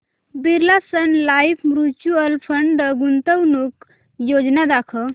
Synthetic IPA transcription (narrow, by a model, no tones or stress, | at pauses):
biɾlasənlajfʰmɾut͡ʃuəlpʰəɳɖɡunt̪əwnuk | jod͡ʒnad̪akʰə